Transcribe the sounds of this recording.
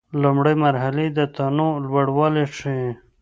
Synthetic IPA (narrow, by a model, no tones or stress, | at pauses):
lumɽəjmaɾɦaled̪ət̪anõlwaɽwɑleʂi